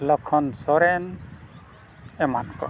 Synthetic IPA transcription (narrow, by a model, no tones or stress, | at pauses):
lɔkʰɔnsɔɾɛn | ɛmankɔ̰